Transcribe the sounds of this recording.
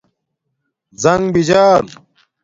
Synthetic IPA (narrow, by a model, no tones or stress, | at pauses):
zɐŋɡbid͡ʑaːn